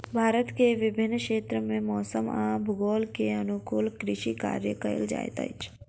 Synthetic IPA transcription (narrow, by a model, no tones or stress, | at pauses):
bʱaːɾət̪keʋɪbʱɪnːkʃeːt̪ɾəmẽmɔːsəmãːbʱʊɡoːlkeənukuːlkɾɪʃika̰ːɾjəkəə̰ld͡ʒa̰ːj̰t̪a̰jt͡ʃ